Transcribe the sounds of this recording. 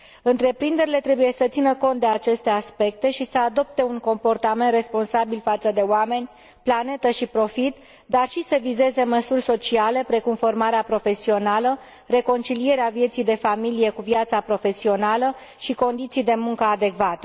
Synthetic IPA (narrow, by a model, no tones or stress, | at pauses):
ɨnt̪ɾe̞pɾind̪e̞ɾile̞t̪ɾe̞buje̞sət̪sinəko̞nt̪̚d̪e̞at͡ʃe̞st̪e̞aspe̞k̚t̪e̞ʃisəad̪o̞p̚t̪e̞uŋko̞mpo̞rt̪ame̞nt̪re̞spo̞nsabilfat̪səd̪e̞oame̞nʲ | plane̞t̪əʃipɾo̞fit̪ | d̪arʃisəvize̞ze̞məsurʲso̞t͡ʃiale̞pɾe̞kumfo̞rmaɾeapɾo̞fe̞sio̞nalə | re̞ko̞nt͡ʃilije̞ɾeavje̞t̪sijd̪e̞familije̞kuvijat̪sapɾo̞fe̞sio̞nalə | ʃiko̞nd̪it̪sijd̪e̞muŋkəad̪e̞kvat̪ə̥